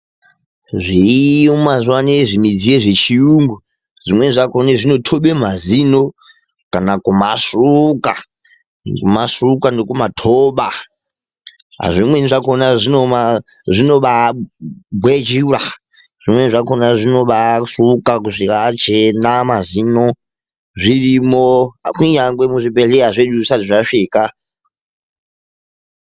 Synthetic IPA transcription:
ʐiomazuwaneʐimid͡zieʐet͡ʃʰijuŋɡu | ʐ̥imweʐʷakoneʐʷinotʰoɓem̤azino | kanakumasuka | kumasukandokumatʰoɓa | a̰ʐʷimweniʐakonaʐinoa | ʐʷinoɓa | bwed͡ʒiɾa | ʐ̥ʷimweniʐakonaʐʷinoɓasukakuʐikat͡ʃʰenamazino | ʐʷiɾimoakiɲaŋɡwemuʐipeɮeazeɗusaiʐaʂiːka

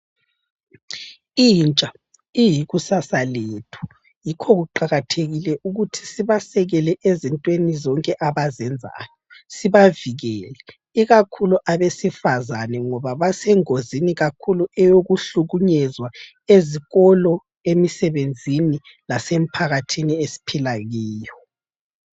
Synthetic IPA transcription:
iint͡ʃʼa | ijiɣusasaleːtʰu̥ | jikʰɔɣuǃaɣatʰeɣilɛʔuɣutʰi̥siβasɛɣɛlɛʔezintʼwenizɔŋkʼɛʔaβazɛnd͡zʱa̰ːjɔsiβaviɣɛːlɛ | iɣakʰuluʔaβesifazanɛŋɔβaβasɛŋoziniɣakʰuluɛjoɣuɬuɣuɲɛzwa | eziɣɔlɔ | emisɛβend͡zʱini | lasem̩pʰaɣatʰiniesi̥pʰilaɣiːjɔ

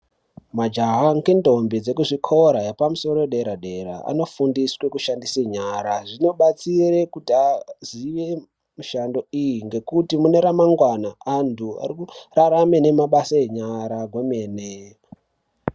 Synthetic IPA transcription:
mad͡ʒaɦaŋkindo̞mbid͡ze̞kuʐikʰo̞ɾajepamuso̞ɾoeɗeɾaɗe̞ɾa̰a̰no̞fundiswe̞kuʃandiseɲaɾaʐino̞ɓat͡sire̞kutiaziʋe̞ | muʃando̞ijiŋɡe̞kutimune̞ɾamaŋɡwanaantʰua̰rikuraɾame̞ne̞maɓasaeɲaɾaɡwe̞meːne

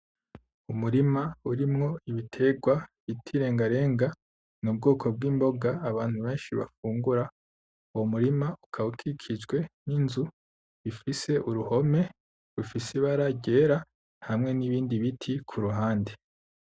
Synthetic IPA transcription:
umuɾimauɾimŋo̞iβitʰe̞ɡwaβitʰiɾe̞ːŋɡaɾe̞ːŋɡa | nub̚ɡo̞ːkʰo̞b̚ɡiːmbo̞ɡaːβaːn̥huβe̞ːnʃiβa̰fuːŋɡuɾa | uwomuɾimaukʰaukʰikʰid͡ʒɡwe̞ninzu | βifise̞ʔuɾuho̞me̞ | ɾufiseβaɾaɟe̞ːɾa | hamŋe̞niβiːndiβitʰikʰuɾuɦaːnde

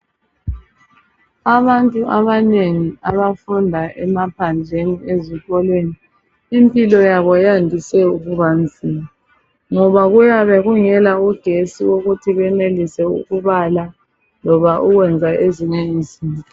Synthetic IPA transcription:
aβantʼuʔaβaneŋiaβafundʱaʔɛmapʰand͡ɮʱenieziɣɔlweni | impʼilɔjaβɔjandʱisɛuɣuβand͡zʱina | ŋɔβaɣujaβɛɣuŋɛlauɡ̥ʱesiwoɣutʰiβɛnelisɛṵɣuβala | lɔβaʔuɣwɛnd͡zʱaʔeziŋeizinɔ

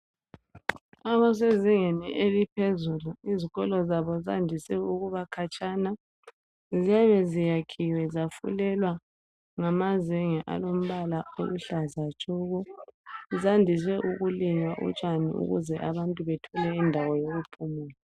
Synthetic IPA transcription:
aβɔs̬eziŋeniʔelipʰezuluiziɣɔlɔzaβɔzandʱisɛuɣuβakʰat͡ʃʼana | ziaβɛzijakʰiwɛzafṵlɛlwa | ŋamaziŋɛʔa̰lom̩βalao̰luɬazat͡ʃʼuɣɔ | zandʱis̬ɛʔuɣuliŋaʔṵt͡ʃʼanḭṵɣṵzɛʔaβantʼuβɛtʰɔlɛindʱawɔjoɣupʰumuːla

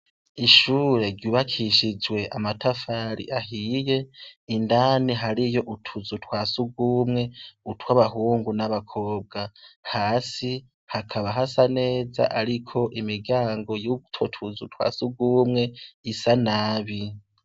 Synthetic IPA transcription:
iʃuːɾe̞ɾɟjuːβakʰiʃid͡ʒwe̞ʔa̰matafaɾḭʔaɦiːje̞indaːniɦaɾijo̞ʔutʰuzutwaːsuɡuːmŋe̞utwaβaɦuːŋɡunaβakʰo̞ːb̚ɡahaːsi | hakʰaβaɦasane̞ːza̰ʔaɾikʰo̞ʔimiɡaːŋɡo̞jutʰotʰuzutwa̰ːsuɡuːmŋe̞isanaːβi

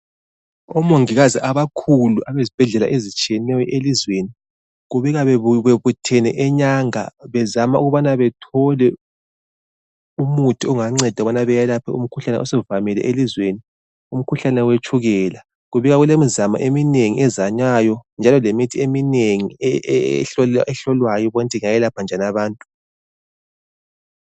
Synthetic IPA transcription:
ɔmoŋiɣaziʔaβakʰuluʔaβezib̥ʱɛɮɛla̰ʔezit͡ʃʼijɛnɛjɔʔelizweni | ɣuβiɣaββeβutʰɛnɛ̰ʔɛɲaŋa̰βɛzamauɣuβanaβɛtʰɔlɛ | umutʰiɔŋaŋ͡ǀɛd̥ʱaβanaβɛjalapʰɛum̩kʰuɬanɛ̰ʔɔsɛuvamɛlɛ̰ʔelizweni | um̩kʰuɬanɛwet͡ʃʰʼuɣɛla | ɣuβiɣaɣulemizama̰ʔemineŋiʔɛzaɲwajɔnd͡ʒʱalɔlemitʰiemineŋi | ɬɔʔɛɬɔlwajɔβɔntʼiŋajɛlapʰand͡ʒʱanaβaːntʼu̥

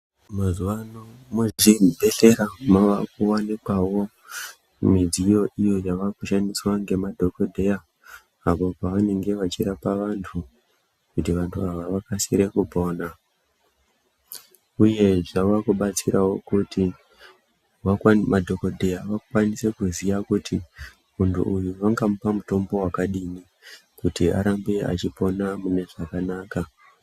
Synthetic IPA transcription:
mazuwanomuʐibʱe̞ɬe̞ɾamaʋakuwanekwawo̞ | mid͡zijo̞ʔijo̞jaʋakuʃandiswaŋɡe̞madʱo̞ko̞dʱejaː | popaʋane̞ŋɡe̞ʋat͡ʃiɾapaʋantʰu | kutiʋantʰuaʋaʋakasḭɾe̞kupo̞ːna | uje̞ʐawakuɓat͡siɾawo̞kuti | wamadʱo̞kodʱe̞jaʋakwanise̞kuzijakuti | muntʰṵujuʋaŋɡamupamuto̞mbo̞wakaɗini | kutia̰ɾambea̰t͡ʃipo̞namune̞ʐakanaːka

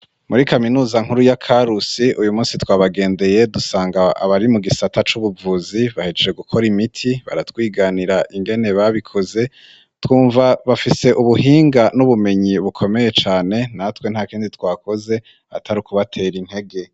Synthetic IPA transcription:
muɾikaminuːzaŋ̥huɾujakʰaɾusiʔujumuːnsitwaːβaɡe̞ːnde̞je̞dusaːŋɡaa̰βaɾimuɡisatʰat͡ʃuβuvuziβahed͡ʒed͡ʒeɡukʰo̞ɾimitʰiβa̰ɾatwiːɡaniɾaʔiŋɡe̞ne̞βaβikʰo̞ze̞ | twuːɱvaβafise̞ʔuβuhiːŋɡanuβume̞ɲiβukʰo̞me̞je̞t͡ʃaːne̞natwen̥haːkiːnditwaːko̞ze̞ | a̰tʰaɾikuβatʰe̞ːɾin̥he̞ɡe̞

